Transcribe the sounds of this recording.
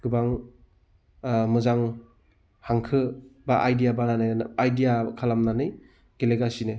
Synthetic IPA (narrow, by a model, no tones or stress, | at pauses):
ɡ̥ɯbaŋ | mɯzaŋ | haŋkʰɯbaʔajdijabananɯjajdijakʰalamnanɯj | ɡ̥eleɡasine